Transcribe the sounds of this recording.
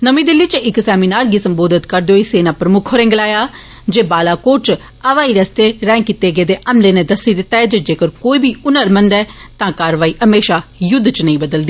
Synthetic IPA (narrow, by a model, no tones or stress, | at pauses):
nəmĩːd̪ɪlːiːt͡ʃɪksɛːmiːnaːɾɡiːsəmboːd̪ɪt̪kəɾd̪eoːiseːnãːpɾəmʊkʰoːɾɛ̃ːŋɡlaːjaː | d͡ʒeːbaːlaːkoːɾt͡ʃ | əʋaːiːɾəst̪eːɾɛ̃ːŋkit̪eːɡeːd̪eːʔəmleːneːd̪əsiːd̪ɪt̪ːaːɦɛːd͡ʒed͡ʒeːkəɾkoːiːbʱiːʊnəɾmənd̪ɛːt̪ãːkaːɾʋaːiːəmeːʃaːjʊd̪ːt͡ʃnəĩːbəd̪əld̪iː